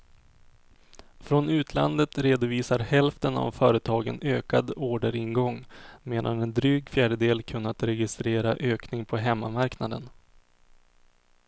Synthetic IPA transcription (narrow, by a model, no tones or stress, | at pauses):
fɾɔnʉ̟ːt̪ʰla̰nd̪ət̪ɾeːd̪ʊviːsaɾhɛlft̪əna̰vfœːɾət̪ʰɑːɡə̰nøːkad̪oːɖəɾɪnɡɔŋːmeːd̪a̰nɛnd̪ɾyːɡfjæːɖəd̪eːlkʰɵnːat̪ɾɛɡɪst̪ɾeːɾaʔøːknɪŋpʰɔɦɛmːamaɾknad̪ən